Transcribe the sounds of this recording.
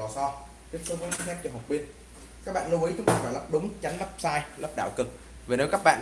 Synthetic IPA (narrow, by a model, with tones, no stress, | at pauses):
ɔ˨˩sɔ˧ | t̪i˦˥əsɨ˨˦və˨˦t͡ɕi˧˦sɛ˦˥p̚t͡ɕɔ˧˩ɦa˨˩k͡p̚ɓi˦˧˩ən̚ | ka˦˥k̚ɓa̰ː˧˨nlɨ˧wʔi˨˦t͡ɕʊ˨˦ŋ͡mt̪aː˧˩fɔː˧˩jlə˦˥p̚ɗʊ˨˦ŋ͡mt͡ɕa˨˦jŋ̟lə˦˥p̚saː˧jləː˦˥p̚ɗa̰ː˧˨wkɨ˨˩k̚ | ve˨˩ne˨˦wka˦˥k̚ɓa̰ː˧˨n